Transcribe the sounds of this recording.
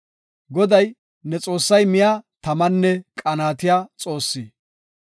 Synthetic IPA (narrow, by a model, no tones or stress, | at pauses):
ɡɔd̪ɐj | nɛt͡sʼo̞ːsːɐjmɪjat̪ɐmɐnːɛkʼɐnaːt̪ɪjaːt͡sʼo̞ːsːiː